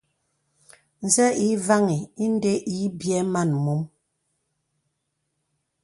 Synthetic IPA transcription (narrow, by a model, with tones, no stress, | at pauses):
n̩˨zɛ˦i˨˦va˦ŋi˨i˦n˦de˦ʔi˨˦bjɛ˦ma˦˨nmu˨˦m